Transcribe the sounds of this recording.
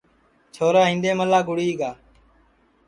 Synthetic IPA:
t͡ʃʰoːɾaːɦĩːnd̪eːməlaːɡʊɽiːɡaː

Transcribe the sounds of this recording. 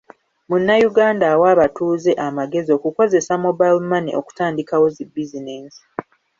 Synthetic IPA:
munːajuɡaːndawaːβatuːze̞ʔamaɡe̞zio̞ːkuko̞ze̞samo̞bajlmanḭʔo̞̰ku̥taːndikawo̞zibːizineːnsi̥

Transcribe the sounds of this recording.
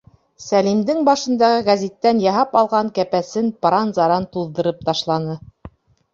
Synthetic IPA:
sælimd̪ɘŋbɑʃɤ̆nd̪ɑʁɤɡæzʲit̪ːænjɑɦɑpɑlˠʁɑŋkæpæsɘnpɾɑnzɑɾɑnt̪uðɤ̆ɾɤp̚t̪ɑʃlˠɑnɤ

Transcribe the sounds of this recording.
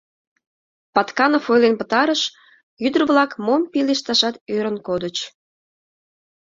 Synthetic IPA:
pɑt̪kɑnofojlenpət̪ɑɾəʃ | jyd̪ərβlɑkmompileʃt̪ɑʃɑt̪øɾənkod̪ət͡ɕ

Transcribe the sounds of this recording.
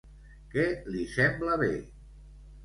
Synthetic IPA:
kɛlisɛmbləβe

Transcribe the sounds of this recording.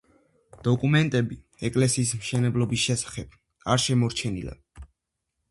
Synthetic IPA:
d̪̥ɔkʼumɛnt̪ʼɛbi | ɛkʼlɛsiːsmʃɛnɛblˠɔbisʃɛsḁχɛb̥̚ | aɾʃɛmɔɾt͡ʃʰɛnḭla̰

